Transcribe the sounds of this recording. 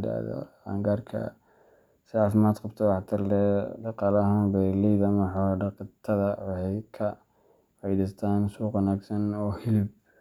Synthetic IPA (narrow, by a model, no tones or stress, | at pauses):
da̰ðɔ̰a̰ŋɡaːrkʰɐ̰ | sɪʕaːfɪmaːd̪qɑbt̪ʰɔwɑħt̪ʰɐrlɛːɖɑqɑːlɐɦɐnbɛlɛjðɐmɐħɔɖɑqt̪ʰɐðɐwɑhɛjkʰɐ | ʕɑjðɪst̪ʰaːnsuːqʊnaːɡsɐnɔːhɪlɪb̚